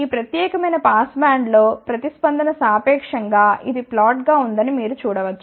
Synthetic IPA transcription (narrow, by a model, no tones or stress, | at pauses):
iːpɾɐt̪jɛːkɐmɐjnɐpaːsbaːɳɖlo̞ːpɾɐt̪ispɐnd̪ʱɐnɐsaːpɛːkʂɐŋɡaːʔid̪iplaːʈɡaːund̪ɐnimiːɾut͡ʃuːɽɐʋɐt͡ʃːu̥